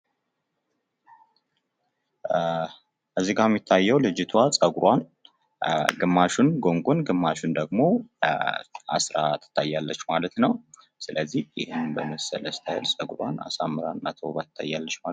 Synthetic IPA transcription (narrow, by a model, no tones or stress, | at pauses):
ʔəzːiɡamːit̪ʰːajːɛwlɨd͡ʒɪt̪ʰwasʼəɡuɾwan | ɡɨmːaʃunɡo̞ŋɡʷonɡɨmːaʃund̪əɡmo̞ | ʔa̰sɾa̰t̪ʰːɨ̥t̪ʰːajːalːət͡ʃːmalət̪nəw | sɨləzːihjɪhɨnbəməsə̰ləst̪ʰajɪlsʼəɡɾwa̰na̰samːɨɾanːat̪ʰəwβat̪ɨ̥t̪ʰːajːalːət͡ʃːma